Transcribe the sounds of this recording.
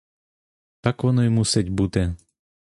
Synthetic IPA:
t̪akʋɔnɔjmusɛtʲbut̪ɛ

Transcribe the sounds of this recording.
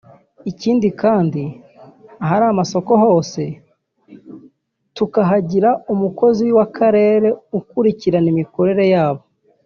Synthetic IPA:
iciːndikaːndi | ɦaɾamaso̞ko̞ho̞ːse̞ | tukaɦaɟiɾaumuko̞ziwwakʰaɾe̞ːɾe̞ukuɾiciɾanimiko̞ɾe̞ɾe̞jaːβo̞

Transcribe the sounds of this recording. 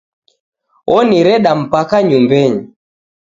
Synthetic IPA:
ɔniɾɛɗam̩pakaɲumbɛɲi

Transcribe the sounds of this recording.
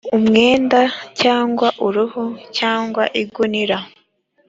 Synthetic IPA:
umŋeːndacaːŋɡwaʔuɾuhucaːŋɡwaʔiɡuniɾa

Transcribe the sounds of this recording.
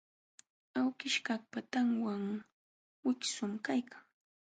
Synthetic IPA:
awkɪʃkak̚pat̪aŋwaŋ | wɪksʊmkajkʰaŋ

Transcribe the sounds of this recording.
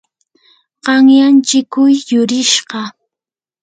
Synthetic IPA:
ɢɑŋjant͡ʃɪkʊjːʊɾɪʃɢɑ

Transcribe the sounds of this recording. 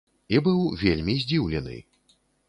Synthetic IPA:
ibɨwvʲelʲmʲizʲd͡zʲiwlʲɛnɨ̰

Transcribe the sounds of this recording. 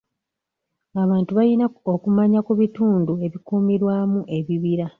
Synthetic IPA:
aβaːntuβajinaokumaɲakuβituːndue̞βikuːmiɾwaːmuʔe̞βiβiɾa

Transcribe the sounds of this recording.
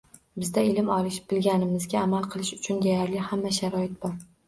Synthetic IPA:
bɪzd̪aɪlɪmɒlˠɪʃɪ̥p̚b̥ɪlɡʲanɪmɪzɡʲaːmalˠqʰɨlˠɪʃʊ̥t͡ʃʰʊnd̪ajaɾlɪhamːaʃaɾɒɪt̪̚b̥ɒɾ

